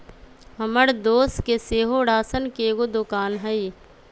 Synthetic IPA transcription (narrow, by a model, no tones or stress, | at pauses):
ɦɐməɽd̪oːskeseːɦoɽaːsənkeːɡod̪ʊkaːnɦəi